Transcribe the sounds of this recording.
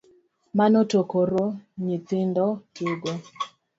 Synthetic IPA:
manotokoɾoɲitɪndɔtuɡo

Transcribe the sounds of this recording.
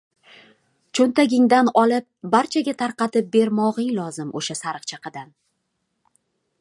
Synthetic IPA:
t͡ʃʰont̪ʰaɡʲɪŋd̪anɒlɪp̚baɾt͡ʃʰaɡʲat̪ʰaɾqɑt̪ɪp̚be̞ɾmɒʁɪŋlˠɒzɪmʔoʃasaɾɨqt͡ʃʰaqʰɨd̪an

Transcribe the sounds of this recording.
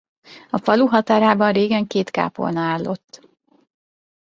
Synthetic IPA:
ɒfɒluɦɒt̪aːɾaːbɒnreːɡɛŋkeːt̪ka̰ːpo̞̰lnɒaːlːo̞t̪ː

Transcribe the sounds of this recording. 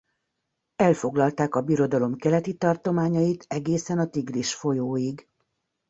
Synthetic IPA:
ɛlfo̞ɡlɒlt̪aːkɒbiɾo̞d̪ɒlo̞mkɛlɛt̪it̪ɒrt̪o̞maːɲɒjit̪ɛɡeːsɛnɒt̪iɡliʃfo̞joːiɡ

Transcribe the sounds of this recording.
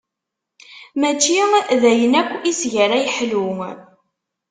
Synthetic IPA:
mæt͡ʃːiðæjənækʷːisʝəɾæjħlu

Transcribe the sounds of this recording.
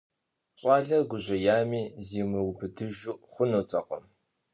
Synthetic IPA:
ɕʼɑːɮɐrɡʷʊʑʷɐjaːmiːziːmɨwbɨdʰɨʒuʔχʷʊnutʰʼɐqɐ̰m

